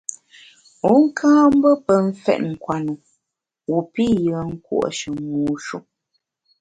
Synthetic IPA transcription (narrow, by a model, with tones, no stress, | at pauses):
u˨˦ŋ̩˦kʰãː˦m̩˦bə˦pə˨ɱ̩˦fɛ̰˨ʔ̚ŋ̩˨kwa˨nu˨ | wu˨pi˦jə˨˦ŋ̩˦kwṵ˨ʔʃə˨muː˨ʃu˦ʔ